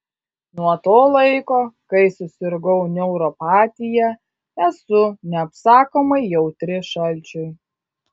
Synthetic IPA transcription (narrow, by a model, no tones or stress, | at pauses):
nuɔt̪oːlˠɐɪkoːkɐɪsʊsʲɪɾɡɔʊnʲɛʊɾɔpɑːt̪ʲɪjɛ | ɛsʊnʲɛɐpsɑːkoːmɐɪjɛʊt̪ʲɾʲɪʃɐlʲt͡ʃʲʊɪ